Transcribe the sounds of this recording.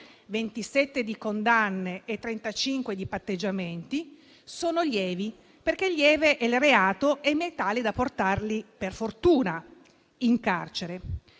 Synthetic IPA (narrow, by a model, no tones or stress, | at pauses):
vent̪isɛt̪ːed̪ikond̪anːeʔːt̪ːɾent̪at͡ʃiŋkwed̪ipat̪ːed͡ʒːament̪i | soːnoljɛːvi | perk̟elːjɛːveʔɛlreaːt̪oʔɛmːet̪aːlid̪aport̪arliperfort̪uːna | iŋka̰rt͡ʃeɾe